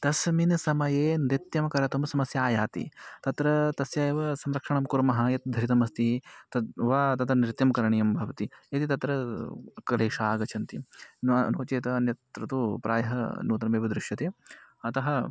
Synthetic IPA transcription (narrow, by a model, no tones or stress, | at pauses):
t̪ɐsminsɐmɐjeːnɾit̪jɐmɐkɐɾɐt̪umsɐmɐsjaːjaːt̪ḭt̪ɐt̪ɾɐt̪ɐsjaːjɐʋɐsɐmɾɐkʂɐɳɐmkuɾmɐɦɐjɐt̪̚d̪ʱɐɾit̪ɐmɐst̪it̪ɐʋaːt̪ɐt̪ɾɐnɾɪt̪jɐmɐkɐɾɐɳijɐmbʱɐʋɐt̪iɐt̪it̪ɐt̪ɾɐkɐleːʂaːɡɐt͡ʃʰɐnt̪innoːt͡ʃeːt̪ɐnjɐt̪ɾɐt̪upɾa̰ːjɐɦɐ̰nuːt̪ɐnɐmeːʋɐd̪ɾɪʂjɐt̪eːɐt̪ɐɦɐ